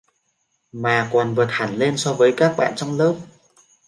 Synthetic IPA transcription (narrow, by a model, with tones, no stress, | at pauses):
maː˨˩kɔ˨˩nvəː˨˩t̪̚ha˧˩nle˧nsɔ˧vəː˨˦jkaː˦˥k̚ɓa̰ː˧˨nt͡ɕɔ˧wŋ͡mləː˦˥p̚